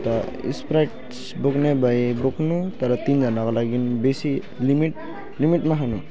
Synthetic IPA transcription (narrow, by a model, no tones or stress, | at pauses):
ta | ḭspɾajʈ | sbɔknɛbajbɔknutaɹatinzanakalaɡinbesi | limit | limiʈmaɦanu